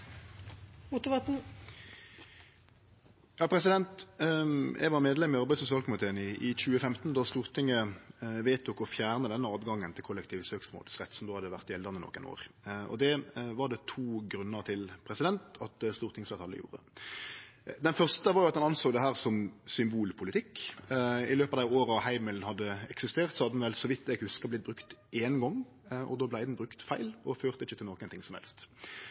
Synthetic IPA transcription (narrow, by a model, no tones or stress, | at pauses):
mʊt̪ʊʋɑt̪n̩ | jɑːpʰɾʁɛs̬ɪd̪ɛnt̪ | jʔæ̰ɪʋɑʁmeːd̪lɛmɪɑɾʁbæɪd̪sʊs̬ɪɑlkʊmɪt̪ʰeːənɪʔɪt͡ɕʉːəfɛmt̪n̩d̪ɑst̪uːʁt̪ʰɪŋːəʋeːt̪ʊkːɔfjæːʁnəd̪ɛnːəɑːd̪ɡɑŋːənt̪ʰɪlkʰʊlːɛk̚t̪ʰiːʋəsøːksmo̰ːlsʁɛt̪sɔmd̪oːhɑd̪ːəʋæʁt̪jɛld̪əʁnənɔ̰kːə̰no̰ːʁɔ̰d̪ɛʋɑʁɖɛt̪ʰuːɡɾʉnːəɾt̪ʰɪlpʰɾɛsɪd̪ɛnt̪ɑt̪̚d̪ɛst̪uːʁt̪ɪŋsɛːt̪ʰɑlːə̰jṵːɾə̰ | d̪ɛnfœʁʂt̪əʋɑɾjʊɑt̪d̪ɑnɑnsoːɡd̪ɛɦæːʁsɔmsʏmbuːlpʰʊlɪt̪ʰɪkː | ɪløːpɑd̪æɪoːɾəɑʋhæɪmɪln̩hɑd̪ːəɛksɪst̪eːʁt̪sɔhɑd̪ədn̩ʋɛlsɔʋɪt̪ːɛɡhʉskəblɪt̪̚bɾʉkt̪enɡɔŋ | ʔɔ̰d̪oːblæɪd̪n̩bʁʉkt̪fæɪlɔføːʁt̪əɪçːət̪ʰɪlnɔːkənt̪ʰɪŋsɔmhɛ̰lst̪